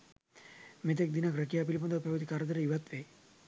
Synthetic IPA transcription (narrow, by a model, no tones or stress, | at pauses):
met̪̬ek̚d̪inakɾəkijap̬ilipond̪əpɐʋɐd̪ikaɾəd̪əɾəiʋat̪ʋe